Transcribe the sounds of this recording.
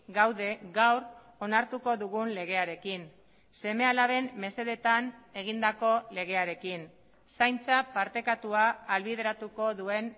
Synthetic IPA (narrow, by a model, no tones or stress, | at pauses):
ɡawðe̞ɡawɾ | o̞naɾt̪uko̞ðuɣ̞unle̞ɣ̞e̞aɾe̞kin | se̞me̞alaβe̞mme̞se̞ðe̞t̪ane̞ɣ̞ind̪ako̞le̞ɣ̞e̞aɾe̞kin | sajnt͡sapaɾt̪e̞kat̪uaːlβið̞e̞ɾat̪uko̞ðue̞n